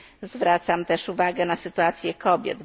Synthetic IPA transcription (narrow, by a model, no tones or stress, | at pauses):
zvɾat̪samt̪ɛʂuvaɡɛnasɘt̪uat̪sʲjɛkʰɔbʲjɛ̰d̪